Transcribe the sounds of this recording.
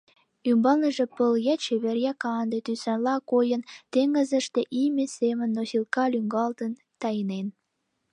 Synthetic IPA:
ymbɑlnə̆ʒĕpəljæt͡ɕeβerjækɑnd̪et̪ysænlɑkojənt̪eŋə̆zə̆ʃt̪eʔimʲesemənːosilkɑlyŋɡɑlt̪ən | t̪ɑjənen

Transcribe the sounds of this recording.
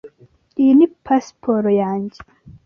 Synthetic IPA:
inipʰɐspʰoɾojaːnd͡ʑi

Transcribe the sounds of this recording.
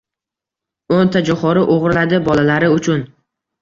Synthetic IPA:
ont̪ʰad͡ʒɒχɒɾɪʔoʁɾɪlad̪ɪbɒlalaɾɪʊt͡ʃʰʊn

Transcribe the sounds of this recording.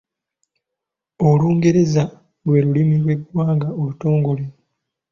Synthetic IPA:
oluːŋɡe̞ɾe̞za | lwe̞ːɾulimilwe̞ɡwaːŋɡaoluto̞ːŋɡo̞le

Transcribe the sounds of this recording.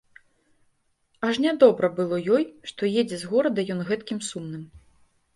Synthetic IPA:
aʂnʲad̪ɔbɾɐbɨlˠɔjɔjʂt̪ɔjɛd͡zʲɛzɣɔɾɐd̪ɐjɔnɣɛt̪kʲimsumnɨm

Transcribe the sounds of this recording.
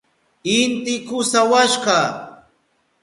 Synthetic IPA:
ɪnt̪ɪkʊsawaʃɢɑ

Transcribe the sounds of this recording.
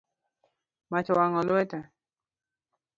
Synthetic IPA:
mat͡ʃɔwaŋɔluɛt̪ɛ

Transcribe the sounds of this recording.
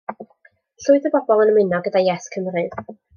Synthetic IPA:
ɬʊɨðəbɔbɔlˠənəmɪnɔɡədajɛskʰəmrɨð

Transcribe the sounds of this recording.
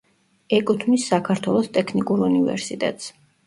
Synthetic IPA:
ɛkʼut̪ʰmisːakʰaɾt̪ʰwɛlˠɔst̪ʼɛkʰnikʼuɾunivɛ̰ɾsit̪ʼɛ̰t̪ʼs

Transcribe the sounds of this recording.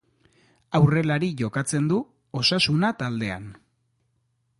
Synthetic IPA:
awre̞laɾiʝo̞kat͡se̞nd̪u | o̞sasunat̪ald̪e̞a̰n

